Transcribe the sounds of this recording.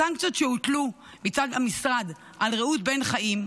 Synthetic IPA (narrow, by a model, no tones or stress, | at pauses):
aŋkt͡siot̪ʃeut̪lu | mit͡sad̪hamisʁad̪ | alʁeut̪̚benχaʔim